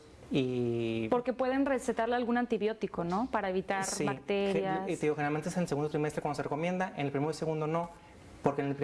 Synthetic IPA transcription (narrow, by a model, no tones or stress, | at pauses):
ipo̞ɾke̞pwe̞ðe̞nreset̪aɾlealɣunant̪iβjo̞t̪iko̞no̞paɾae̞β̞it̪aɾsiakt̪eɾait̪eðiɣoxeneɾalmenesenelseɣund̪ot̪ɾimest̪ɾekwandosereko̞mje̞nd̪aʔenelpɾimeɾoiseɣũnd̪ono̞ | poɾkenelpɾi